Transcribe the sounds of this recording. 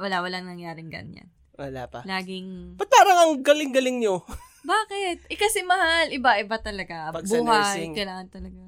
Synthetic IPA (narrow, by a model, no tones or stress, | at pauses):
wɐlawɐlaŋnɐŋjaːɾɪŋɡɐ̰nɲa̰n | wɐla̰pɐ̰laːɡɪŋpɐt̪aɾɐŋɐŋɡɐlɪŋɡɐlɪŋɲo | baːkɛt̪̚ʔɛkɐsɛmɐhalʔɪbaʔɪbat̪ɐlɐɡapɐɡsbuːhasjɪjŋkɐlaːŋɐnt̪ɐlɐɡa